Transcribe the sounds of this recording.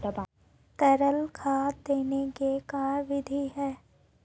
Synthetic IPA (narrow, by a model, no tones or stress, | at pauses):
t̪ɐb | t̪əɾəlkʰaːd̪eːnekekaːɾʋɪd̪ʱiɦɛː